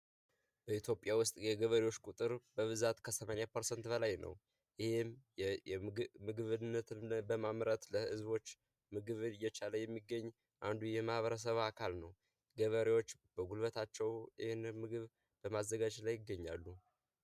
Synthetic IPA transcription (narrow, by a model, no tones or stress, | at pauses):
b̥əit̪ʰjo̞pʼjawʊst̪ʼjɛɡəβəɾewo̞t͡ʃːkʼut̪ʼɨɾbəβɨzat̪kʰəsəmanejapʰəɾsənt̪bəlajnə̰w | jɪhem | mɨɡɨβɨnːət̪ʰɨmbəmamɾət̪ləhɨzβo̞t͡ʃː | mɨɡɨβɨnɨjːɛt͡ʃaləjɛmːiɡːəɲː | ʔand̪ujɛmahβəɾəs̬əβakʰalnəw | ɡəβəɾewo̞t͡ʃːb̥əɡulβət̪ʰat͡ʃːɛwjɪhenmːɨɡɨβ | b̥əmazːəɡad͡ʒlajːɪɡːəɲːa̰lːu